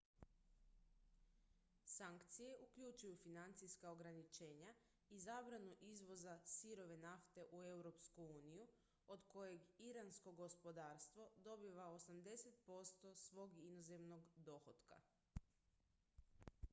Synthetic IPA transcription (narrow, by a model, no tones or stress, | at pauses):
saŋkt̪sije̞ʔukʎut͡ʃujufinant̪sijskaoɡɾanit͡ʃe̞ːɲa | izaːbɾanuʔizʋo̞zasiɾo̞ʋe̞naft̪e̞ʔue̞wɾo̞pskuuːniju | od̪ko̞je̞ɡiɾansko̞ɡo̞spo̞d̪aːɾst̪ʋo̞d̪o̞biʋaosamd̪e̞set̪po̞st̪o̞sʋo̞ɡinoze̞mno̞ɡd̪o̞xot̪ka̰